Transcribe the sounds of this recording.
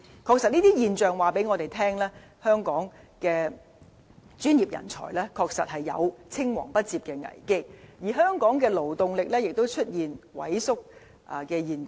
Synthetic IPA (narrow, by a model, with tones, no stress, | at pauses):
kʰɔː˧k̚sɐ˨t̚niː˥iː˥jiː˨˩nt͡ʃœː˨ŋwaː˨pe˨˥jŋɔː˨˧t̪e˨˩jt̪ʰɛː˥ŋlɛː˥ | hœː˥ŋkɔː˨˥ŋ | kɛː˧ | t͡ʃyː˥njiː˨˩p̚jɐ̰˨˩nt͡sʰɔ̰ː˨˩jlɛ˥kʰɔː˧k̚sɐ˨t̚hɐ˨jːɐ̰˨˧wt͡sʰɪ˥ŋwɔ̰ː˨˩ŋpɐ˥t̚t͡siː˧p̚kɛː˧ŋɐ̰˨˩jkɪ˥k̚jiː˨˩ɦœː˥ŋkɔː˨˥ŋkɛː˧lo˨˩wt̪ʊ˨ŋlɪ˨k̚lɛː˥jɪ˨k̚t̪o˥wt͡ʃʰɵ˥t̚jiː˨nwɐ̰˨˥jsʊ˥k̚ | ʔkɛː˧jiː˨n